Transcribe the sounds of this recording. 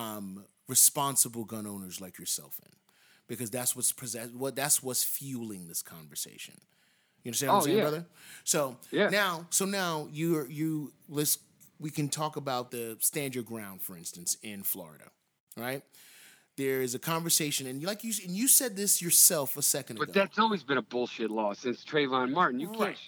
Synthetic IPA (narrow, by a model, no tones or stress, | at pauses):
ʌ̃m | ɹɨspɑ̃nsəbl̩ˠɡʌ̃nõʊ̃nə˞zlaɪkjə˞sɛ̰lˠfɨ̰̃n | b̥ɨkʰʌzðætswʌtspʰɨzɛwʌt̪̚ðætswʌz̥fjʉlˠɪ̃ŋðɪskʰɑ̃ɱvə˞sḛɪʃɨ̰̃n | jɨʌ̃ndəsæ̃ñsbɹʌðə˞soʊnaʊsoʊnaʊjɨə˞jɨlɪs | wikɨ̃ntʰɔkəbaʊt̪̚ðɨstæ̃ndə˞d̚ɡɹãʊ̃nd̥fə˞ɪ̃nstɨ̃n̩sɪ̃nflɔ̰ɹɨ̰ɾɨ̰ | ɹaɪt̪̚ | ðə˞ɪzɨkʰɑ̃ɱvə˞seɪʃɨ̃nɨ̃nlaɪkjɨɨ̃njɨsɛd̪̚ðɪsjə˞sɛlˠfəsɛkndʌɡðætsɔlˠwizbɨ̃ñəbʊlˠʃɪtˡlɔsɪ̃nstʰɹ̥eɪvãnmɑɹʔn̩jɨɛ